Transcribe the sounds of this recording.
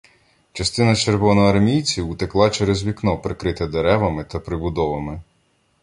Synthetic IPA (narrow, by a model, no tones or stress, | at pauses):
t͡ʃɐst̪ɪnɐt͡ʃeɾʋɔnɔɐrmʲijt͡sʲiwʊt̪eklˠɑt͡ʃɛɾɛzʋʲiknɔpɾekɾɪt̪ɛd̪eɾɛʋɐmɪt̪ɐpɾɪbʊd̪ɔʋɐmɪ